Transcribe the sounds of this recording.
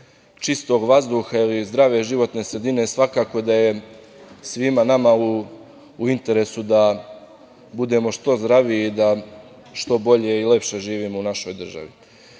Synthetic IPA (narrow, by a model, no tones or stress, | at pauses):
t͡ʃist̪o̞ɡʋazd̪uːxailizd̪ɾaʋe̞ʒiʋo̞t̪ne̞ːsɾe̞d̪ine̞sʋakaːko̞d̪aje̞ | sʋimanamau | uint̪e̞ɾesud̪a | bud̪e̞mo̞ʃt̪o̞zd̪ɾaʋiːd̪a | ʃt̪o̞bo̞ʎe̞ile̞pʃe̞ʒiːʋiːmo̞unaʃo̞jd̪r̩ʒa̰ʋḭ